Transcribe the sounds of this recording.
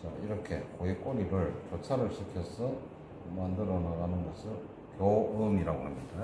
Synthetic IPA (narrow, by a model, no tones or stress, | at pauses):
t͡ɕʌiɾʌkʰe̞koik͈oniɾɯɭt͡ɕʌt͡ɕʰaɾɯɭɕʰikʰjʌs͈ʰɯ | mandɯɾʌnaɡanɯnɡʌsʰɯ | kjoɯmiɾaɡohamɲida